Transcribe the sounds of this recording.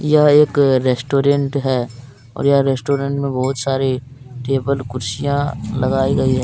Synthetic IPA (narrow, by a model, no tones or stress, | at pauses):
jɐɦeːkɾeːsʈoːɾẽɳʈɦɛː | ɔ̰ːɾjaɾesʈoːɾẽɳʈmẽbɔɦʊt̪saːɾeʈeːbəlkʊɾsijãlɐɡaːiɡɐiɦɛː